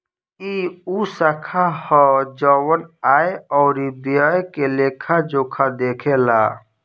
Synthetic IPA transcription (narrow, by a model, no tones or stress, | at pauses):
iusakʰahɔd͡ʒɔwənaːjeɔːɾib̪ijajkeleːkʰad͡ʒokʰad̪eːkʰelaː